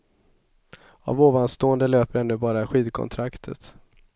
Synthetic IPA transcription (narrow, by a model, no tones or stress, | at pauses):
a̰voːvanst̪oːənd̪əløːpəɾɛnːɵbɑːɾaɧiːd̪kʰɔ̰nt̪ʰɾakt̪ʰə̰t̪